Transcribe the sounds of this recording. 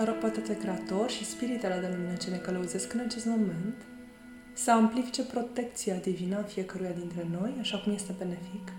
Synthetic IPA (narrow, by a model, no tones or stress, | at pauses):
əɾok̚pat̪et̪ekɾe̞at̪o̞rʃispiɾit̪alad̪eluminət͡ʃene̞kələuze̞skɨnat͡ʃe̞st̪mo̞me̞nt̪ | səamplifit͡ʃe̞pɾo̞t̪e̞k̚t̪siad̪ivinəfije̞kəɾujad̪int̪ɾe̞no̞jaʃakumje̞st̪e̞be̞nefik